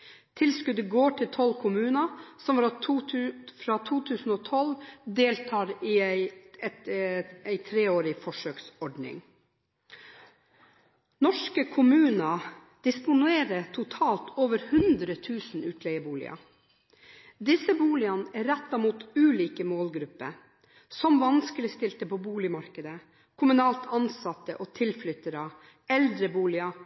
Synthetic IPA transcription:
t̪ʰɪlskʉd̪əɡoːʈʰɪlt̪ʰɔlkʰʊmʉːnɑsɔmɾɑ | fɾɑt̪ʰuːt̪ʰʉːsn̩oːt̪ʰɔld̪eːlt̪ʰɑːɾɪæɪɛt̪æɪt̪ʰɾeːoːɾɪfɔʂøːksɔɖnɪ̰ŋ | nɔʂkəkʰʊmʉːnɑ | d̪̥ɪspʊnʉeːɾət̪ʰʊt̪ʰɑːlt̪ʰoːʋəɾhʉnd̪ɾət̪ʰʉːsn̩ʉːt̪ʰlɛɪəbuːlɪ̰ɑ̰ | d̪ɪsəbuːlɪɑnæɾɛt̪ːɑmuːt̪ʉːliːkəmoːlɡɾʉpːə̰ | sɔmʋɑnskəlɪst̪ɪlt̪əpʰoːbuːlɪmɑɾkəd̪ə | kʰʊmʉnɑːlt̪ʰɑnsɑt̪ːəʔoːt̪ʰɪlflʏt̪ːəɾɑ | ɛld̪ɾəbuːlɪɑ

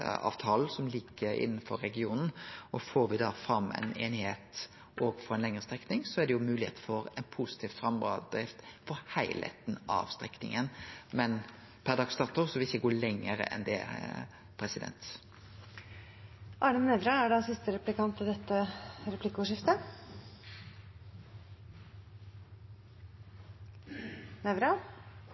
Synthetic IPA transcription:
ɑ̰ːʋt̪ʰɑːlsɔmliːkːəɾɪ̰nːəfɔɾɛɡɪuːnn̩ɔfoːɾʋɪd̪ɑfɾɑmːɛ̰ɪnḛːnɪheːt̪ | ʔoːɡfɔɾɛnlɛŋʁəst̪ʁɛknɪŋsɔæʁd̪ɛjʊmʉːlɪhḛːt̪əfɔɾɛnpʰusɪ̥t̪ʰiːʋfɾʁɑmɑd̪ɾɪft̪fɔɾhæɪlḛt̪n̩ɑ̰ʋst̪ɾɛknɪ̰ŋənmɛn | pʰæʁd̪ɑɡst̪ɑʁt̪ʊʁsɔʋɪlɪçəɡoːlɛŋəɾə̰ʔɛ̰nd̪ɛ | pʰɾɛsɪd̪ɛ̰nt̪ | ʔɑːɖ̪əmnɛʋɾɑæɖɑsɪst̪əɾɛplɪkɑnt̪ɪd̪ɛt̪ːəɾɛpʰlɪkːəʊʂɪft̪ə | nɛʋɾɑ

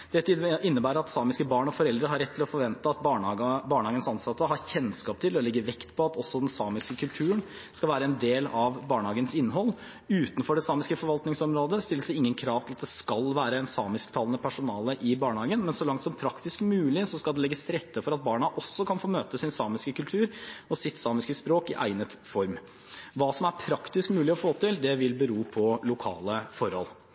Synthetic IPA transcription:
d̪̥ɛt̪ʰːd̪ɪnːəbæːɾɾɑt̪sɑːmɪskəbɑːɳɔfɔɾɛld̪ɾəɦɑɾɛt̪ːɪlɔfɔɾʋɛnt̪əɑt̪̚bɑɑɡbɑːɳəhɑːɡənsɑnsɑt̪ːəɦɑçɛnskɑːp̚t̪ʰɪlɔlɛɡːəʋɛkt̪pʰɔɑt̪ɔsːɔd̪ɛnsɑːmɪskəkʰʉlt̪ʰʉːən | skɑlʋæːɾəɛnd̪eːlɑʋbɑːɳəhɑːɡənsɪnːɦɔlː | ʉːt̪nfɔɖɛsɑːmɪskəfɔɾʋɑlt̪nɪŋsɔmɾoːd̪əst̪ɪlːəsd̪ɛɪŋːənkʰɾɑːʋt̪ʰɪlɑt̪̚d̪ɛskɑlʋæːɾəɛnsɑːmɪskt̪ʰɑːlənəpʰæʂʊnɑːləʔɪbɑːɳəhɑːɡənmɛnsɔlɑŋt̪sɔmpʰɾɑkt̪ɪskmʉːlɪsɔskɑld̪ɛlɛɡəsɾɛt̪ːəfɔɾɑt̪̚bɑːɳɑʔɔsːɔkʰɑnfoːmøːt̪əsɪnsɑːmɪskəkʉlt̪ʰʉːɾɔsɪt̪sɑːmɪskəspɾoːkɪʔæ̰ɪnət̪fɔɾm | ʋɑːsɔmæɾpʰɾɑkt̪ɪskmʉːlɪɔfoːt̪ʰɪld̪ɛʋɪlbəɾuːpʰɔlʊkʰɑ̰ːləfɔɾhɔ̰l

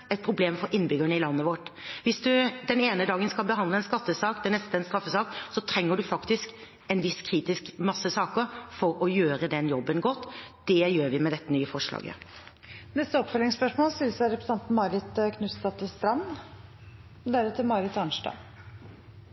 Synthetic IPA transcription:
ɛt̪̚pʰɾʊbleːmfɔɾʔɪnbʏɡəɳəɪlɑnːəʋɔʈʋɪsd̪ʉd̪ɛneːnəd̪ɑːɡənskɑlbəɦɑnd̪ləɛnskɑt̪ːəsɑːkd̪ɛnːɛst̪əɛnst̪ɾɑfːəsɑːksɔt̪ʰɾɛŋːəɖʉfɑkt̪ɪsk | ɛnʋɪskʰɾiːt̪ɪskmɑsːəsɑːkəɾfɔɾɔjøːɾəd̪ɛnjɔbːənɡɔt̪ːd̪̥ɛjøːɾʋɪmɛd̪ɛt̪ːənyːəfɔʂlɑ̰ːɡə̰ | nɛst̪əɔpfœlɪŋspœʂmoːlsɪlsæɾɛpɾəsɑnt̪n̩mɑɾɪt̪əkʰnʉst̪ɑt̪ʰɪst̪ɾɑm | d̪æːɾət̪ʰɪlmɑɾɪt̪ɑnʂʈɑ̰

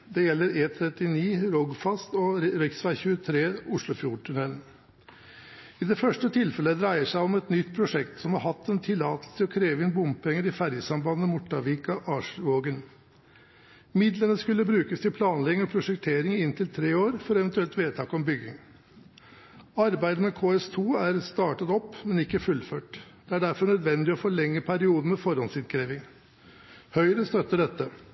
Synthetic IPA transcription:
d̪ɛjɛlːəɾeːt̪ʰɾɛt̪ɪniːɾɔɡfɑst̪ɔɾœksʋæɪçʉːət̪ʰɾeːʊʂlʊfjuːʈ̪ʰʉnɛln̩ | ɪd̪ɛfœʂʈət̪ʰɪlfɛləd̪ɾæɪəʂæɪɔmɛt̪nʏt̪ːpʰɾʊʂɛkt̪sɔmhɑɾhɑt̪ːɛnt̪ʰɪlɑːt̪əlst̪ʰəɔkʰɾeːʋəɪnbʊmpɛŋːəɾɪfæɾjəsɑmbɑnːəmʊʈːɑʋiːkɑʔɑːʂʋoːɡən | mɪd̪lənəskʉlːəbɾʉːkəst̪ɪlpʰlɑːnlɛɡɪŋɔpʰɾʊʂɛkt̪ʰeːɾɪŋɪnt̪ʰɪlt̪ʰɾeːoːɾfɔɾɛʋənt̪ʉɛlt̪ʋeːt̪ʰɑːkɔmbʏɡɪŋ | ɑɾbæɪd̪əmɛkʰoːɛst̪ʰuːæɾst̪ɑːʈɑt̪ɔpːmɛnɪkːəfʉlføːʈd̪̥ɛæɖæɾfɔɾɳœd̪ʋɛnd̪ɪɔfoːlɛŋːəpʰæɾɪuːd̪n̩mɛfɔɾhɔnsɪd̪kʰɾeːʋɪŋ | hœʏɾəst̪œt̪ːəɖɛt̪ːə

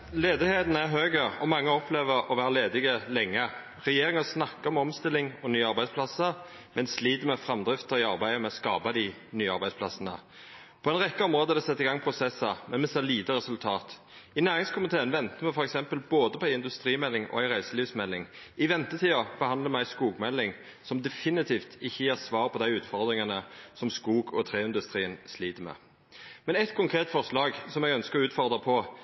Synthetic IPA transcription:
leːd̪ɪheːt̪n̩æʁɦøːɡəɔmɑŋːəɔpʰleːʋəɾɔʋæːɾəleːd̪ɪɡəlɛŋːə | ʁɛjeːɾɪŋɑsnɑkːəɾɔmɔmst̪ɪlːɪŋɔnyːɑɾbæɪd̪spʰlɑsə | mɛnsliːd̪əmɛfɾɑmd̪ɾɪft̪əɪɑʁbæɪmɛɔskɑ̰ːbɑd̪ɪnyːɑ̰ʁbæɪsplɑsənə̰ | pʰɔɛɪnʁɛkːəɔmʁoːd̪əd̪ɛsɛt̪ːɪɡɑŋpʰʁʊsɛsːɑmɛnmɛseːliːt̪əɾɛsʉlt̪ʰɑːt̪ | ɪnæːʁɪŋskʰʊmɪt̪ʰeːənʋɛnt̪əmɛfɔɾɛksɛmpəlboːd̪əpʰɔæɪɪnd̪ʉst̪ɾiːmɛlːɪŋɔ̰æɪɾæɪsəliːʋsmɛlːɪŋ | ɪʋɛnt̪ət̪ʰiːɑb̥əhɑnd̪ləmɛæɪskuːɡmɛlːɪŋ | sɔmd̪ɛfɪnɪt̪ʰiːft̪ɪçːəjeːʁsʋɑːʁpʰɔd̪æɪʉːt̪fɔʁd̪ʁɪŋɑnəsɔmskuːɡɔt̪ʰɾeːɪnd̪ʉst̪ʁiːənsliːt̪əmɛ̰ː | mɛnɛt̪kʰʊŋkʰʁeːt̪fɔʁʂlɑːɡsɔmɛɡœnskəʉːt̪fɔʁd̪əpʰɔ

